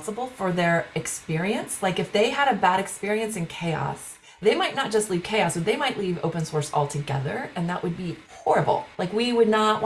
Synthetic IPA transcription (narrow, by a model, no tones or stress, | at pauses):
səbl̩ˠfə˞ðə˞ɨkspɪɹiɨ̃nslaɪkɨfðeɪɨɾɨbæɾɨkspɪɹiɨ̃nsɨ̃nkʰeɪɑ̰s | ðeɪmaɪtⁿnət̚d̥ʒ̥ʌstˡliv̥kʰeɪɑsəðeɪmaɪʔˡlivo̰ʊpɨ̃nsɔɹsɔ̰lˠtʰɨɡɛ̰ðə̰˞ɨ̃nðəʔwʔəd̚bihɔɹɨbl̩ˠlʔaɪkwiwədⁿnət̚w